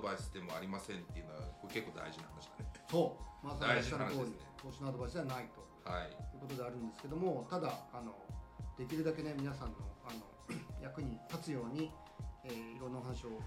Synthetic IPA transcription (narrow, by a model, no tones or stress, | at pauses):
baisɨd̪e̞mo̞aɾʲimasẽ̞nt̪ːe̞iɯ̟noβa̰kokekːo̞ːd̪a̰iʑinahanaɕid̪ane̥so̞ːmasaaanot̪o̞ːɾʲiet̪oːɕinoad̪o̞baisɨd̪eβanait̪o̞haijɯ̟ːko̞t̪o̞d̪e̞aɾɯ̟̃nd̪esɨ̥ke̞d̪o̞mo̞t̪ad̪aːno̞d̪̥e̞kʲiɾɯ̟d̪ake̞ne̞mʲinasãnːo̞ano̞ | jakɯ̟ɲ̟ik̪at͡sɨjo̞ːɲ̟i | eːiɾonːaoɦanaɕio̞